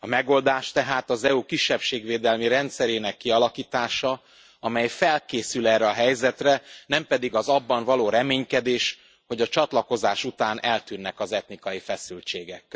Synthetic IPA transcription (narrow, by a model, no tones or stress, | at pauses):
ɒmɛɡo̞ld̪aːʃt̪ɛɦaːt̪ɒzɛukiʃːɛpʃeːɡveːd̪ɛlmiɾɛnt̪sɛɾeːnɛkːiɒlɒkiːt̪aːʃɒ | ɒmɛjfɛlkeːsylɛrːɛɒɦɛjzɛt̪rɛnɛmpɛd̪iɡɒzɒbːɒɱvɒloːɾɛmeːɲkɛd̪eːʃ | ho̞ɟɒt͡ʃɒt̪lɒko̞zaːʃut̪aːnʔɛlt̪yːnːɛkɒzɛt̪nikɒjifɛsylt͡ʃeːɡɛkː